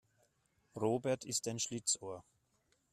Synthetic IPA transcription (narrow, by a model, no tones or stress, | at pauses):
ʁoːbɛɐtʰɪstaɪnʃlɪt͡soːɐ